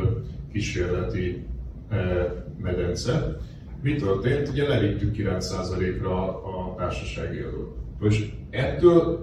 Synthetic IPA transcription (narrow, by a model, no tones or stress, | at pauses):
kiʃeːrlɛt̪i | mɛd̪ɛnt̪sɛt̪ | mit̪ø̞rt̪eːnt̪uɟɛlɛvit̪ːykːilɛnt̪saːzɒleːkrɒːt̪aːrʃɒʃa̰ːɡiɒd̪o̰ːt̪ | oʃɛt̪ːøːl